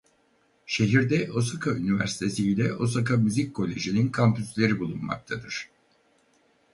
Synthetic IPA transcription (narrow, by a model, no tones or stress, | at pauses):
ʃe̞ɦiɾd̪ɛʔo̞sakʰaynivæ̰ɾsi̥t̪ʰe̞siːlʲɛʔo̞sakʰamyzic̚ʲkʰːo̞lʲe̞ʒininkʰampyslʲe̞ɾibulˠunma̰k̚t̪ʰad̪ɯɾ̥